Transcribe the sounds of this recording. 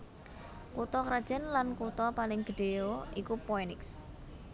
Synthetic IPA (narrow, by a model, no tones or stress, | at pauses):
kut̪ɔkɾad̥ʒ̥ɛ̤nlankut̪ɔpalɪŋɡ̥əɖ̥ejoikupɔenɪks